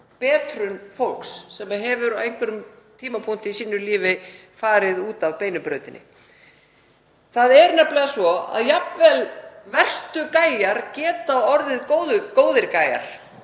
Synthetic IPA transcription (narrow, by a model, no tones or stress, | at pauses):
pɛːt̪ɾʏnfowl̥ksːɛmaɦɛvʏɾɔejŋkʰʏɾʏm | t̪ʰiːmapʰuŋ̥t̪ɪisiːnʏliːvɪ | faːɾɪðuːt̪avpeːjnʏpɾœɥt̪ɪnɪ̰ | θaðɛɾnɛplɪɣasvɔa̰ðjap̪vɛlvɛr̥st̪ʏkaːjaɾ̥cɛːt̪aɔɾðɪðkowðʏkoːwðɪɾkaːja̰ɾ̥